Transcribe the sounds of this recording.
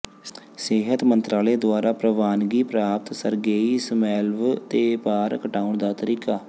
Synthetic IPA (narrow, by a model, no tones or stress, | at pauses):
sɪɦət̪mənt̪ɾaːleːd̪ʊaːɾaːpɾəʋaːnɡiːpɾaːp̚t̪səɾɡeːiːsəmɛːlʋt̪eːpaːɾkəʈaːʊɳd̪aːt̪əɾiːkaː